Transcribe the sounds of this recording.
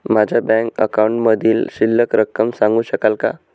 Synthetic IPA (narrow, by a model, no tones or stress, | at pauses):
mad͡ʑʱabɛ̃ŋkə̰kawuɳʈməd̪ʱiːlɕilːəkɾəkːəmsãŋɡuːɕəkalka